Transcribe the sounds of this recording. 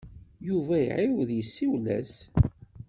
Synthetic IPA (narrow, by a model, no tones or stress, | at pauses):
juvæjə̰ʕɪwðjəsːiwlæ̰s